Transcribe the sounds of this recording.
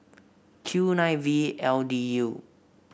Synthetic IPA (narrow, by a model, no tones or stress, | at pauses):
kʰjunãjviɛldiju